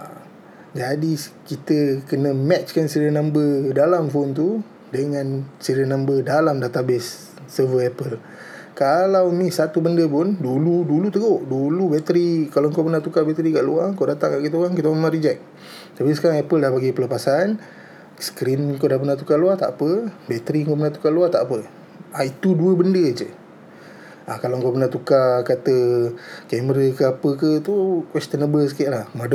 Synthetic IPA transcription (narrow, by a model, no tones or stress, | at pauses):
a | d͡ʒadikit̪əkənəmɛt͡ʃkansiɾənãmbədalamfont̪̬u | dəŋansiɾənãmbədalamdat̪abɪsː | əvəɛpəl | kalawmisat̪ubəndəpʊnduludulut̪əɡoʔdulubɛt̪əɾikalawŋkopənat̪ukabɛt̪əɾikaʔluaŋkodat̪aŋkaʔkit̪əluaŋkit̪əəmaɾid͡ʒaʔ̚ | t̪apisə̥kaɾaŋɛpəldahbaɡipələpasan | sə̥kɾinŋkodapənat̪ukaluat̪aʔapəbɛt̪əɾiŋkopənat̪u̥kaluat̪a̰ʔpə | ʔait̪uduəbəndəd͡ʒə | akalaəŋkopənat̪ukakat̪əkɛməɾəkəapəkət̪ukwɛst̪ənəbəsəkiʔlahmadə